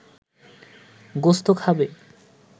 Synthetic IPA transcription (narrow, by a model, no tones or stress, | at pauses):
ɡost̪okʰabe